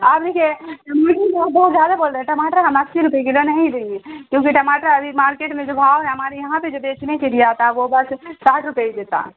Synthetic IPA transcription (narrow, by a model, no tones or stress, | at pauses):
aːpd̪ekʰieʈɐmaːʈəbabɔːut̪zjaːd̪aboːlɾeʈɐmaːʈəɾkamakt͡ʃiɾʊpeiɡelonɐɦĩd̪eːŋɡekjõːkiʈɐmaːʈəɾɐbʱimaːɾkeːʈmẽd͡ʒobʱaːʋnɛ̃ɐmaːɾejɐɦãped͡ʒobeːt͡ʃnekelijat̪ʰaʋobɐssaːʈʰɾʊpeid̪et̪a̰